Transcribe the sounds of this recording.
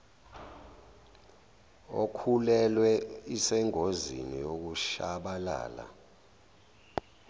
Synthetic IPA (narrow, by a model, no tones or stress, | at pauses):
okʰulɛlwɛisɛŋozḭnijok̬uʃaɓala̰ːla̰